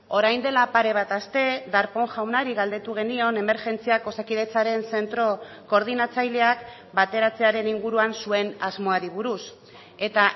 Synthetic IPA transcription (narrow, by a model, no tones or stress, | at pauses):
o̞ɾajnd̪e̞lapaɾe̞β̞at̪ast̪e̞ðaɾpo̞ŋʝawnaɾiɣald̪e̞t̪uɣ̞e̞nio̞ne̞me̞ɾʝe̞nt͡siako̞sakiðe̞t͡saɾe̞nse̞nt̪ɾo̞ | ko̞ɾð̞inat͡sajle̞ak | bat̪e̞ɾat͡se̞aɾe̞niŋɡuɾuansue̞nazmo̞aɾiβ̞uɾus | e̞t̪a